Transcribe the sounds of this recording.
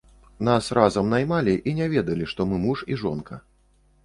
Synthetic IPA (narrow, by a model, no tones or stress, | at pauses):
nasrazɐmnajmalʲiʔinʲɛvʲɛd̪ɐlʲiʂt̪ɔmɨmuʂiʐɔnkɐ